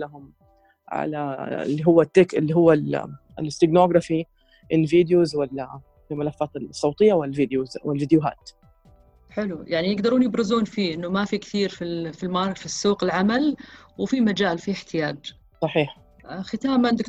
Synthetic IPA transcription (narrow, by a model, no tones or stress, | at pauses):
laɦʊm | ʕa̰laɪ̰lːiɦʊwːat̪ːeːkɪlːiɦʊwːal | lɪst̪ɪɡnoːɡɾˤɑfi | ʔɪnviːd̪juzwɪl | ɪlmɪlafːaːt̪ɪsˤːɑwt̪ˤɪjːawɪlviːd̪juzwɪlviːd̪jʊɦa̰ːt̪ | ħɪlujaʕnijɪɡd̪ɑɾuːnjɪbɾɪzuːnfiːʔɪnːʊmafikθiːɾfifilmaɾˤfisːuːqɪlʕamalwfimad͡ʒaːlfiɪħt̪ʰɪjaːd͡ʒ | sˤɑħiːħ | xɪt̪aːmnd̪ɪk